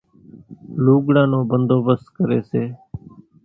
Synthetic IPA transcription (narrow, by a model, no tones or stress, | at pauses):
luːɡɽãːnõːbənd̪oːbəst̪kəɾḛːseː